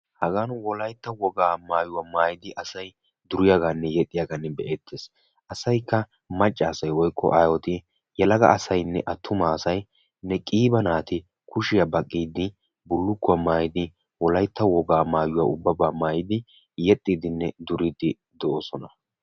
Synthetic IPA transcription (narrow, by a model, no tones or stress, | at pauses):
hɐɡaːnwɔlɐjt̪ːɐwɔɡaːmaːjʊwaːmaːjɪd̪ɪʔɐsɐj | d̪ʊɾɪjaɡaːnːɛjɛt̪ʼːɪjaːɡanːɛbɛʔeːt̪ʰːeːs | ʔɐsɐjkːɐ | mɐt͡ʃʼːaːsɐjwɔjkːɔ̰ʔajɔt̪ɪ | jɛlɐɡɐ̰ːsɐjnːɛ̰ʔɐt̪ʰːʊmaːsɐj | nːɛkʼiːbɐnaːt̪ɪ | kʊʃɪjabɐkʼːiːd̪ɪ | bʊlːʊkːʊwamaːjɪd̪ɪ | wɔlɐjt̪ːɐwɔɡaːmaːjʊwa̰ːʊbːɐbaːmaːjɪd̪ɪ | jɛt̪ʼːiːd̪ɪnːɛd̪ʊɾɪd̪ɪ | d̪ɔʔosɔnɐ